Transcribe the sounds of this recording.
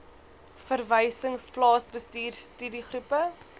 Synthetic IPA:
fərvəjsəŋsplɑːsbəstiːrstydiχrupə

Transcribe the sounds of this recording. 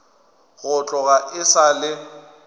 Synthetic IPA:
ɣʊt͡ɬʼɔɣaʔɪsalɪ

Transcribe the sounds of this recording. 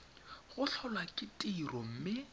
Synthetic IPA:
ɣʊɬʰɔlwakʼɪtʼirɔm̩mɪ

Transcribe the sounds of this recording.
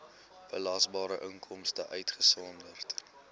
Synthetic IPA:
b̥əlɑsbɑːɾəʔəŋkʰɔmstəʔœɥtχəsɔndərt

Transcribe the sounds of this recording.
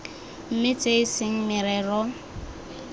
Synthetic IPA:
m̩mɪt͡sʼeɪsɪŋ̩mɪɾɛːrɔ

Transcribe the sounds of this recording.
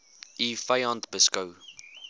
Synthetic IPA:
ʔifɐjɑntbəskɐw

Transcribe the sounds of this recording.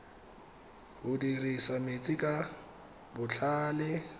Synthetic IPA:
hʊdirisamet͡sʼɪkʼa | bʊt͡ɬʰaːlɪ

